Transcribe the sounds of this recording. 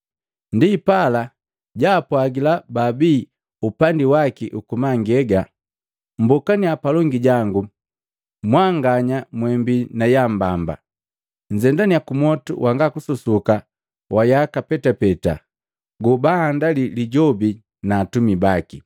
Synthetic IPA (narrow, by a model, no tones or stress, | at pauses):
ndipala | ɟaːpwaɡilababiː | upandiwakiʔukumaŋɡɛɡa | m̩bɔkaniapalɔŋɡiɟaŋɡu | mwaŋɡaɲamwɛmbinajambamba̰ | ɲ̩d͡ʒɛndaniakumɔtṵwʔaŋɡakususuka | wajakapɛtapɛta̰ | ɡubahandaliliɟɔbi | naːtumibaki